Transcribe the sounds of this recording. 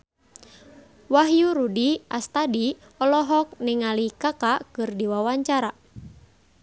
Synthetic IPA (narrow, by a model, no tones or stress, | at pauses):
waɦjuɾudia̰st̪adi | ɔlɔɦɔk̚niŋalikakakɨrdiwawaɲt͡ʃaɾa